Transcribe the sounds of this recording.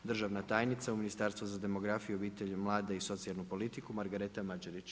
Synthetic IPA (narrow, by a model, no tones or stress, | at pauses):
d̪r̩ʒaʋnat̪aːjnit̪sauminist̪aɾst̪vuzad̪e̞mo̞ɡɾafijuobiːt̪eʎmlˠaːd̪eiso̞t̪sialˠnupo̞lit̪ikumaɾɡaɾe̞t̪amad͡ʒaɾit͡ɕ